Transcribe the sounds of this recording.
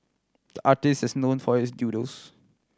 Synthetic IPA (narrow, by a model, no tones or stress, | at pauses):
d̪̥əʔaːʈɪstɛsnõːnfɔɪsdjuːɾos